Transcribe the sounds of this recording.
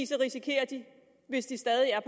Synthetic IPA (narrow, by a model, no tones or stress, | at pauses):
sɐʁisikʰe̝̰ːɐd̥i | ʋe̝sd̥isd̥ɛːðˠiæɐpʰɒ